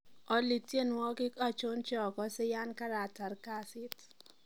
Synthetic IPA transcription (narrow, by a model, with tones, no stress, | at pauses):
ɔ˦li˨tje˦nwɔ˦kɪ˦ka˨t͡ʃʊ˦nt͡ʃɔ˨kɔ˦sɪ˦ja˦nka˦ɾa˨ta˨ɾka˦sɪ˦t